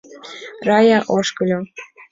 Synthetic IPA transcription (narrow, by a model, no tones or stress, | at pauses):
rɑjɑʔoʃkɤlʲo